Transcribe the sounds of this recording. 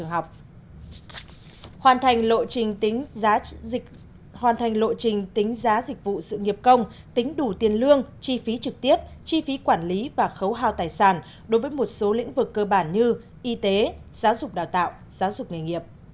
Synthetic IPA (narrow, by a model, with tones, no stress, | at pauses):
t͡ɕɨ˨˩əŋɦa˨˩wk͡p̚ | hwaː˨˩nt̪ʰa˨˩jŋ̟lo̰˧˨t͡ɕi˨˩ŋ̟˨˦˨ | hwaː˨˩nt̪ʰa˨˩ŋ̟lo̰˧˨t͡ɕï˨˩ŋ̟t̪ï˨˦ŋ̟zaː˨˦zï˨˩k̚vṵ˧˨sɨ̰˧˨ŋi˨˩əp̚kə˧wŋ͡m | t̪ï˨˦ŋ̟ɗu˧˩t̪i˨˩ənlɨ˧əŋt͡ɕi˧fi˨˦t͡ɕɨ˨˩k̚t̪i˦˥əp̚t͡ɕi˧fi˨˦kwaː˧˩nli˨˦vaː˨˩xə˨˦wɦaː˧˩wt̪aː˨˩jsaː˧˩n | ɗo˨˦jvə˨˦jmo˨˩t̚so˨˦lḭ˧˥ŋ̟vɨ˨˩kːəː˧ɓaː˧˩nɲɨ˧ | ʔi˧t̪e˨˦z̥aː˨˦wzʊ˨˩k͡p̚ɗaː˨˩wt̪a̰ː˧˨w | z̥aː˨˦wzʊ˨˩k͡p̚ŋi˨˩ŋi˨˩əp̚